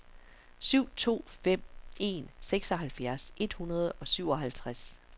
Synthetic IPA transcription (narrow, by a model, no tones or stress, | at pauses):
syʊ̰t͡sʰo̝̰ːfem̰e̝̰nseɡ̥sɒ̽ɦælfjæɐsʔe̝d̥hunɐð̞ˠɒ̽syʊ̰ɒ̽ɦælt͡sʰʁas